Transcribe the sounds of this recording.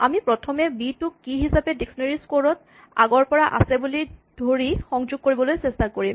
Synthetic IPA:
amipɹɔtʰɔmɛbitʊkːiɦisapɛdeksɔneɹiskoɹɔt | a̰ɡɔɹpɔɹaʔa̰sɛbulidʱoɹixɔŋzʊɡ̚koɹibɔlojsestakoɹim

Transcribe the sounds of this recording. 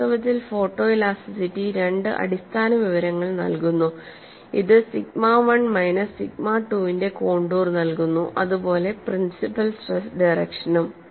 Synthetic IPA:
ɐʋɐt̪ːilfo̞ːʈːo̞ːilaːsisitːiɾe̞ɳɖɨʔɐ̰ɽist̪ʰaːnɐʋiʋɐɾɐŋːɐɭnɐ̰lkunːu | iðɨsiɡ̚maːʋɐɳmɐjnɐsiɡ̚maːʈːuːʋinde̞ko̞ːɳɖuːrnɐlkunːuʔɐðupo̞ːle̞prinsipɐlsʈresɖɐjrɐkʂɐnum

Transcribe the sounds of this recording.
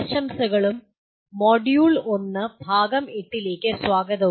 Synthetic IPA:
ʂɐmsɐɣɐɭumː | oɖjuːɭonːɐbʱaːɡɐmeʈːileːkːɐsʋaːɡɐðɐ

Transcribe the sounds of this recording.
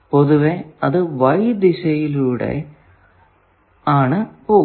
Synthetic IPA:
poðuʋeɐðɨʋɐjd̪isɐjiluːɽḛ | aːɳɨpoː

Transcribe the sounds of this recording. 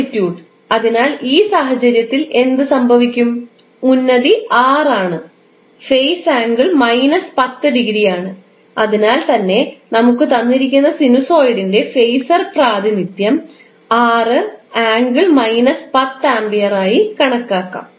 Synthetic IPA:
tːjuːɖ | ɐðinaːliːsaːɦɐt͡ɕɐɾjɐt̪ːile̞nd̪ɨsɐmbʱɐʋikʲːum | unːɐðiaːraːɳɨ | fejsaːŋɡɨɭmɐjnɐspɐt̪ːɨɖiɣɾijaːɳɨ | ɐðinaːlt̪ɐnːe̞nɐmukːɨt̪ɐnːiɾik̬ʲːunːɐsinuso̞ːjɽinde̞fejsɐrpraːd̪ʱinit̪jɐm | aːrɨaːŋɡɨɭmɐjnɐspɐt̪ːaːmbijɐraːjikɐɳɐkːaːkːa̰ːm

